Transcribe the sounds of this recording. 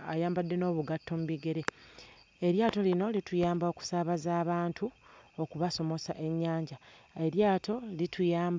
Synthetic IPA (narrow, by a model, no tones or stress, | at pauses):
ajaːmbadːe̞no̞ːβuɡatːo̞muβiɡe̞ɾe̞ | eɾjaːto̞lino̞litujaːmbao̞ku̥saβazaːβaːntʰuo̞kuβaso̞mo̞saʔe̞ɲːaːɲɟaeɾjaːtʰo̞litʰujaːmb